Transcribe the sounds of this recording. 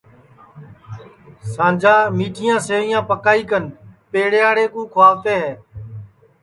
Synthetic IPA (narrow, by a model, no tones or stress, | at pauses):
sãːd͡ʒaːmiːʈʰɪjãːseːɪjãːpəkaːiːkənpeːɽeːaːɽeːkũːkʰʊaːʋt̪eːɦeː